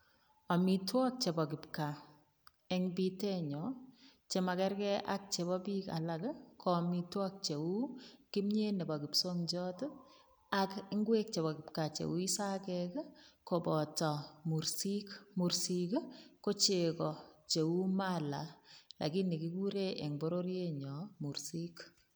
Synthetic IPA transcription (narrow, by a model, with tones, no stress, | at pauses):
ɔ˨mi˨twɔ˦k̚t͡ʃe˨bɔ˨k̬ɪ˨pka˨ | ɛŋbi˦tɛ˦ɲɔ˨t͡ʃe˨ma˨kɛ˦ɾkɛ˦ʔak̚t͡ʃe˨bɔ˦bi˦ka̰˨la˨kkʰɔ˨mi˨twɔ˦k̚t͡ʃe˨u˦ki˦mɲe˦ne˨bɔ˨kɪ˨pso˦ŋd͡ʒɔ˦t | akɪ˦ŋɡwe˦k̚t͡ʃe˨bɔ˨kɪ˨pka˨t͡ʃḛ˨u˦i˦sa˦kɛkko˨bɔ˨tɔ˨mu˨ɾsi˦kmu˨ɾsikko˦t͡ʃe˨kɔ˨t͡ʃe˨u˦ma˦la˨lʔa̰˨ki˦ni˨ki˦ku˦ɾe˦ʔɛ˨ŋbo˦ɾo˦ɾje˦ɲɔ˨mu˨ɾsi˦k